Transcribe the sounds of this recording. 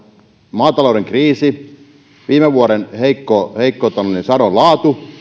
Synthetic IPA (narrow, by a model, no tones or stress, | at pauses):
mɑːt̪ɑloˑuɾeŋkriːsi | ʋiːmeʋʋuoɾenheikːoːheikːoːt̪ɑloninsɑronlɑːt̪u